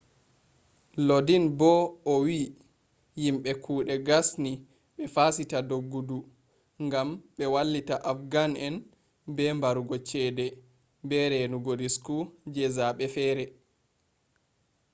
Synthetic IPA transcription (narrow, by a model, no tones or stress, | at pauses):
lodinbɔɔwi | jimɓɛkʰuːɗɛɡasni | ɓɛfasitadoɡːudu | ŋɡamɓɛwalːitaʔafɡanɛn | bɛmbaɾuɡɔt͡ʃɛdɛ | bɛɾɛnuɡodiskud͡ʒɛzaɓɛfɛːɾɛ